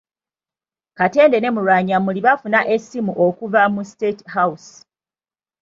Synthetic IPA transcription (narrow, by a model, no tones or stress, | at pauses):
kate̞ːnde̞ne̞muɾwaːɲamuliβafunaʔe̞sːimuʔokuvamustethaws